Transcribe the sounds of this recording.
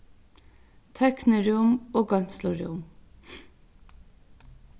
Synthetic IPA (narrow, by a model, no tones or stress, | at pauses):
t̪ʰœknəɖʉːʊmoːɡɑmslɔɖʉ̰ːʊm